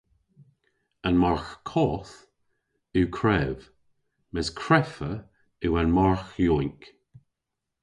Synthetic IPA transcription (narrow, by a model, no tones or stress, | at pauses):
anmaɹxkʰɔːθ | ukʰɹɛv | mɪskʰɹɛfə | uːanmaɹxjɔːnk